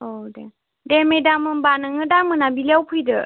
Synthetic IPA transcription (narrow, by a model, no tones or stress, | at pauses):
odɛ | dɛmejdamɯnbanɯŋɯdamɯnabilawpʰɯjdɯ